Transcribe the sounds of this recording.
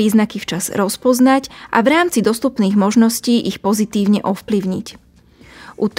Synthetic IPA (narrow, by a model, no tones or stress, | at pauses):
iːznakift͡ʃaz̥ɾɔspɔznacʔa̰ʋɾaːmt͡sid̪ɔst̪upniːɣmɔʒnɔsciːʔixpɔzit̪iːʊɲɛʔɔfpliʊɲḭc | ʔut̪